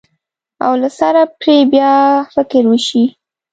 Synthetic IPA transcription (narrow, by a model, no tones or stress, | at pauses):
a̰wlasaɾapɾebjɑfɪkɪɾwəʃi